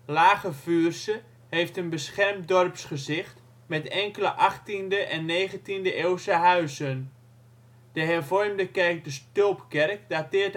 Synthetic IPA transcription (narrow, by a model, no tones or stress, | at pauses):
laːχəvyːrsə | hejftənbəsχɛrmdɔrpsχəzɪχt | mɛtɛŋkələʔɑχtindəʔɛnːeːχəntindəʔewsəɦœɥzən | d̥əɦɛrvɔrmdəkɛrk̚dəstøːpkɛrk̚datɪːɹt